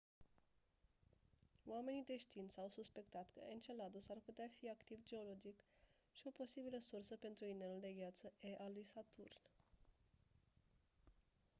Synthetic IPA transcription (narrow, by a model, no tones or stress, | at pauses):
wame̞nid̪e̞ʃt̪int̪səawsuspe̞kt̪at̪kə̰ent͡ʃe̞lad̪osarput̪eafiakt̪ivd͡ʒe̞o̞lo̞d͡ʒik | ʃio̞po̞sibiləsursəpe̞nt̪ɾuineluld̪e̞ɡjat̪səʔeʔalujsat̪urn